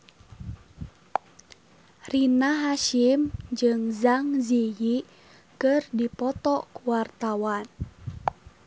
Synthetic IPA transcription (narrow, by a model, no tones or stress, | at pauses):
rinaɦaʃimd͡ʒɨŋzaŋziji | kɨrdipɔt̪ɔkuwart̪awan